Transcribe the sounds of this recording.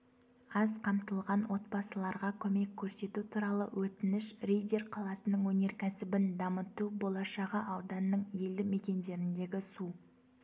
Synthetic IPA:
ɑzqʰɑmt̪əlˠʁɑnwo̞t̪̚bɑsəlˠɑɾʁɑkʲʰɵme̞kʲʰːɵɾse̞t̪ut̪ʰuɾɑlˠə̰wʔɵt̪ɪnɪʃrejd̪ʲerqʰɑlˠɑsənəɴwɵne̞ɾkʲæsɪbɪnd̪ɑmət̪ubo̞lˠɑʃɑʁəʔɑwd̪ɑnːəɴje̞ld̪ɪme̞kʲe̞nd̪e̞ɾɪnd̪e̞ɡʲɪsu

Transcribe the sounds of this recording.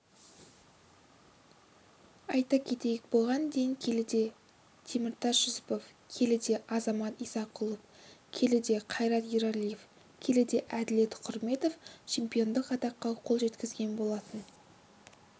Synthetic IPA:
ɑjt̪ɑkʲʰe̞t̪e̞jek̚bo̞lˠʁɑnd̪ejɪŋkʲʰe̞lɪd̪e̞ | t̪ʰemɪɾt̪ʰɑsʒ̥ʊzɪ̥po̞fkʲʰe̞lɪd̪e̞ʔɑzɑmɑt̪ijsɑqʰʊlˠəpkʲʰe̞lɪd̪e̞qʰɑjɾɑt̪jiɾalʲije̞f | kʲʰe̞lɪd̪e̞ʔæd̪ɪle̞t̪qʰʊɾme̞t̪o̞ft͡ʃʰe̞mpʲijo̞nd̪əqɑt̪ɑqːɑqʰolˠʒe̞t̪kʲɪzɡʲe̞nbo̞lˠɑt̪ən

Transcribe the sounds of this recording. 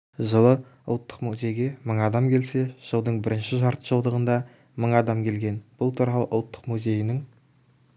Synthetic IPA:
ʒəlˠə | ʊlˠt̪ːə̥qmuzʲe̞jɡʲe̞məɴɑd̪ɑmkʲʰe̞lse̞ʒ̥əlˠd̪əɴbɪɾɪnʃɪʒɑɾt̪ə̥ʒəlˠd̪əʁənd̪ɑ | məɴɑd̪ɑmkʲʰe̞lɡʲe̞nb̥ʊlˠt̪ʰuɾɑlˠəʔʊ̰lˠt̪ːə̥qmuze̞jɪnɪŋ

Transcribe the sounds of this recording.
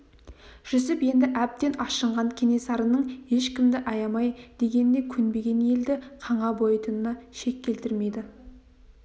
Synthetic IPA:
ʒ̥ʏs̬ɪpje̞nd̪ɪʔæp̚t̪e̞nɑʃəɴʁɑŋkʲʰe̞ne̞sɑɾənəɴe̞ʃkʲɪmd̪ɪʔɑjɑmɑjd̪̥e̞ɡʲe̞nɪnd̪e̞kʲʰʏnbe̞ɡʲe̞nje̞ld̪ɪqʰɑɴɑbo̞jət̪ənːɑʃe̞kʲːe̞lt̪ɪɾme̞jd̪ɪ

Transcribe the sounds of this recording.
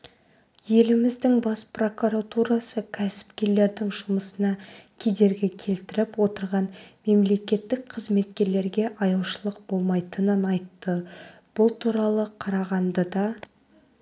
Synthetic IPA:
je̞lɪmɪzd̪ɪŋbɑspro̞kuɾat̪uɾasəkʲʰæsɪ̥pkʲe̞ɾle̞ɾd̪ɪŋʒʊməsənɑkʲʰe̞d̪e̞ɾɡʲɪkʲʰe̞lt̪ɪɾɪpwo̞t̪əɾʁɑnme̞mle̞kʲe̞t̪ːɪk̚qʰəzme̞t̪̚kʲe̞ɾle̞ɾɡʲe̞ʔɑjɑwʃəlˠəqbo̞lˠmɑjt̪ənənɑjt̪ːə | b̥ʊlˠt̪ʰuɾɑlˠəqʰɑɾɑʁɑnd̪əd̪ɑ

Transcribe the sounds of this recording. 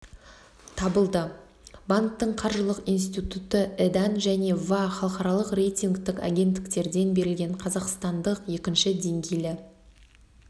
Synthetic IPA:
t̪ʰɑbəlˠd̪ə | bank̚t̪ːəɴqʰɑɾʒəlˠəqins̬t̪it̪ut̪əed̪anʒæne̞vaχɑlˠqɑɾɑlˠəqre̞jt̪iŋɡt̪ɪka̰ɡʲe̞nt̪ːɪ̥k̚t̪e̞ɾd̪e̞nbe̞ɾɪlɡʲe̞ɴqʰɑzɑqst̪ɑnd̪əqje̞kʲɪnʃɪd̪e̞ŋɡʲe̞jlɪ

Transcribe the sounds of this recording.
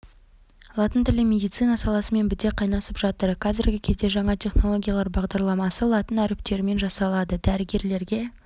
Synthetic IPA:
lˠɑt̪ənt̪ɪlɪmʲe̞d̪ijt̪sɨjnɑsɑlˠɑsəme̞nbɪd̪e̞qʰɑjnɑsəpʒ̥ɑt̪əɾqʰɑzɪɾɡʲɪkʲʰe̞zd̪e̞ʒɑɴɑt̪ʲʰe̞χno̞lˠo̞ɡʲijɑlˠɑɾbɑʁd̪ɑɾlˠɑmɑsəlˠɑt̪ənæɾɪp̚t̪e̞ɾɪme̞nʒɑsɑlˠɑd̪əd̪æɾɪɡʲe̞ɾle̞ɾɡʲe̞

